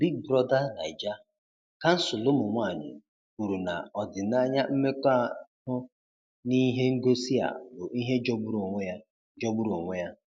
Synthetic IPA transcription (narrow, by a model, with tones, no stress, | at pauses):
bi˦ɡ̚bɾɔ˦da˦na̰˨ɪ˨d͡ʒa˦ | ka˦n̩˦sʊ˨lʊ˦mʊ˨ŋʷa˦˨ɲɪ̰˨ | ku˨ɾu˨na̰˨ɔ˨dɪ˨na˦ɲa˦m̩˦me˦ka˦˨hʊ˦ | ni˦ɦe˦ŋ̩˦ɡo˦si˦a̰˨bʊ˨i˦ɦe˦d͡ʒɔ˦bu˦ɾŋʷe˦ja˦ | d͡ʒɔ˦bu˦ɾo˨ŋʷe˦ja˦